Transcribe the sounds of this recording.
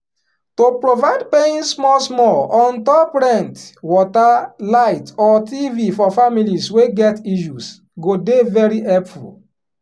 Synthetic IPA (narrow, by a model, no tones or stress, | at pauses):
topɾovaɪdpeĩnsmɔlsmɔlɔ̃ntɔpɾɛ̃ntwɔtalaɪtɔtivifɔfamilisweɡɛtiʃus | ɡodevɛɾiɛpfṵl